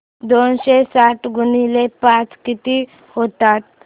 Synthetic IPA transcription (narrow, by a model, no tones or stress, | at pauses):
d̪onɕesaʈɡunilepat͡skit̪i | hot̪at̪̚